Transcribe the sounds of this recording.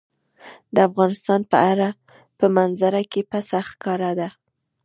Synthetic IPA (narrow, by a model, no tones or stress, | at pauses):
d̪əafɣɑnɪst̪ɑnpəʔaɾa | pəmanzaɾakepasaxkɑɾad̪a